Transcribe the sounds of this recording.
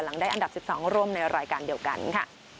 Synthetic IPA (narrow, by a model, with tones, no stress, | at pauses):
la˩˦ŋdaː˥˩jʔa˧nda˨˩p̚si˨˩p̚sɔː˩˦ŋɾuː˥˩əmna˧jɾaː˧jkaː˧ndi˧əwka̰˧nkʰa̰˥˩